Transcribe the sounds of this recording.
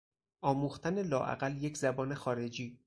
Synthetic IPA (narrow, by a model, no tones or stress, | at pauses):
ʔɒːmuːxt̪ʰæne̞lɒːʔæ̰ɣæljecʰzæbɒːne̞xɒːɾe̞d͡ʒiː